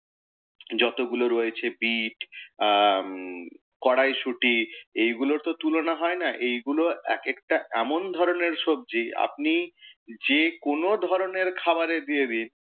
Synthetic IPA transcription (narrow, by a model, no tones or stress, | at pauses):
d͡ʑɔt̪oɡuloɾoet͡ɕʰebiʈ | kɔɽajʃuʈiejɡuloɾt̪ot̪ulonaɦɔenaʔejɡuloɛ̰kekʈaɛmond̪ʱɔɾoneɾʃob̚d͡ʑia̰p̚nid͡ʑekonod̪ʱɔɾoneɾkʰabaɾed̪ied̪in